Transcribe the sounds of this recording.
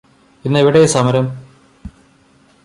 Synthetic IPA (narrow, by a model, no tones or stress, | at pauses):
inːiʋiɽesɐmɐɾɐm